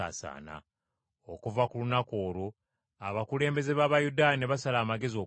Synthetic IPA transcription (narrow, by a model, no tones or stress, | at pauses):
a̰ːsa̰ːna̰ | okuvakulunako̞ːɾo | aβakule̞ːmbe̞ze̞βaβajudaːneβasalaːmaɡe̞zio̞